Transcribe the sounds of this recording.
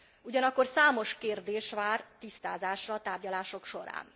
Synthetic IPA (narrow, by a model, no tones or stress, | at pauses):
uɟɒnɒkːo̞rsaːmo̞ʃkeːrd̪eːʃʋaːrt̪ist̪aːzaːʃrɒːt̪aːrɟɒlaːʃo̞kʃo̞ɾa̰ːn